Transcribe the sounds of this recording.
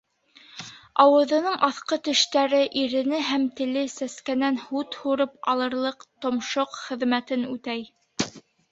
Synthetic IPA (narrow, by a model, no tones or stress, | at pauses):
ɑwɤ̆ðɤ̆nɤɴʔɑθqɤt̪ɵ̆ʃt̪æɾɘʔiɾɘ̆nɘɦæmt̪ɘ̆lɘsæskænænhut̪huɾɤpɑlˠɤ̆ɾlˠɤqt̪ŏmʃoqχɘ̆ðmæt̪ɘnʉt̪æj